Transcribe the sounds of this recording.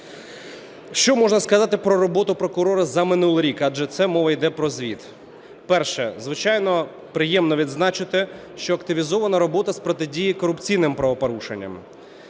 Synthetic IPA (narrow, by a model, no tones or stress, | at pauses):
ʃt͡ʃɔmɔʒnɐskɐzɑt̪ɪpɾɔɾɔbɔt̪ʊpɾɔkʊɾɔɾɐzɐmɪnulˠɾʲikɑd͡ʒɛt̪sɛmɔʋɐjd̪ɛpɾɔzʋʲit̪ | pɛrʃɛzʋɪt͡ʃɑjnɔ | pɾɪjɛmnɔʋʲid̪znɑt͡ʃɪt̪ɪ | ʃt͡ʃɔɐkt̪ɪʋʲizɔʋɐnɐɾɔbɔt̪ɐspɾɔt̪ɪdʲijikɔɾʊpt͡sʲijnɪmpɾɐʋɔpɔɾuʃḛnʲːɐ̰m